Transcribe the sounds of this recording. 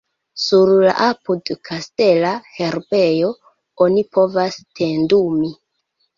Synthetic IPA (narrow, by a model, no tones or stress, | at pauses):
suɾla̰ʔapudkʰaste̞lahe̞ɾbe̞jo̞ | onipo̞vastʰendumi